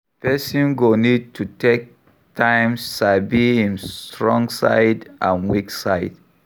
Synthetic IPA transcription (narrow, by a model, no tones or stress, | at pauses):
pʰɛsĩnɡonid̚tʰutʰek̚ | tʰãɪmsːabiĩntɹɔ̃ŋɡsa̰ɪdʔã̰nwiksaɪd